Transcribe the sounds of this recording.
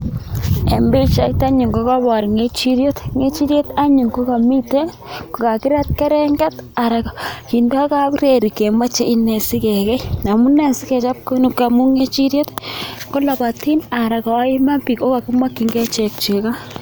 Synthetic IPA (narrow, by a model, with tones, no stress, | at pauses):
ḛ˨mbi˦t͡ʃa˦ita˦ɲi˨ŋɡo˦ka˦βa˨ɾi˨ŋe˦t͡ʃi˦ɾjo˦tŋe˦t͡ʃi˦ɾje˦t̪a˦ɲu˨ŋko˦ka˨mi˦te˦n | ko˨ka˨ki˦ɾa˦t̪̚ke˦ɾe˦ŋɡa˦ta˨ɾa˨kki˨ndo˦a˦ka˦kɾe˨ɾi˨ke˨ma˦t͡ʃe˦ʔi˦ne˨si˦ke˨kɛ˦na˨mu˦ne˨nsi˦ke˨t͡ʃa˦p̚ko˦nu˨ka˨mu˦ŋe˦t͡ʃi˦ɾjo˦t̪ko˦la˨ba˨ti˦na˨ɾa˨ka˨wa˦i˦ma˦mpi˨ko˦ka˨ku˦ma˦ki˨˦ŋɡe˦t͡ʃe˨k̚t͡ʃe˨ka˦